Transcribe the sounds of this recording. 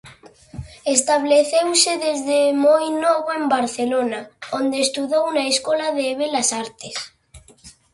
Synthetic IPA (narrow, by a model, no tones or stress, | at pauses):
est̪aβ̞leθewseðezðemojnɔβoembaɾθelonaond̪eːst̪uðownaeskɔlaðeːβelasaɾt̪es